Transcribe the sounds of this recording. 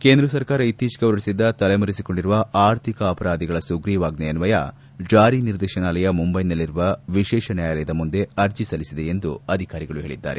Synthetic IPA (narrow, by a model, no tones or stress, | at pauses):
keːnd̪ɾɐsɐɾkaːɾɐit̪iːt͡ʃɡɐʋɾɐɽisid̪ːɐt̪ɐlemɐɾisiko̞ɳɖiɾuʋɐaːɾt̪ʰikɐːpɐɾaːd̪iɡɐɭɐsuɡɾiːʋaːɡnɛjɐnuʋɐjɐ̰ | d͡ʒaːɾiniɾd̪eːʃɐnaːlɐjɐmumbɐjnɐlːiɾuʋɐʋiʃɛːʃɐnjaːjɐlɐjɐd̪ɐmund̪e̞ɐɾt͡ʃisɐlisid̪e̞end̪uɐd̪ʱikaːɾiɡɐɭuɦeːɭid̪ːa̰ːɾe̞